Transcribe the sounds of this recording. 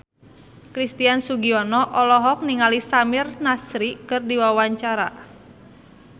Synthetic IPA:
kɾist̪iansuɡiɔnɔʔɔlɔɦɔk̚niŋalisamirnasɾikɨrdiwawaɲt͡ʃaɾa̰

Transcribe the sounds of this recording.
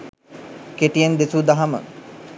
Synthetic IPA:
keʈijeŋd̪esud̪aɦamə̰

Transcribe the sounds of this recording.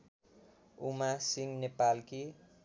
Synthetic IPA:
umasiŋnepalki

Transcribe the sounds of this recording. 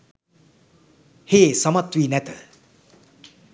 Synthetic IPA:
heːsʌmɐt̪wiːnɛt̪ə

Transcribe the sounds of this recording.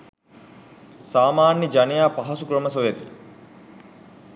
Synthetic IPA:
saːmaːnjəd͡ʒanejaːpaɦɐsukɾəmɐsojet̪i

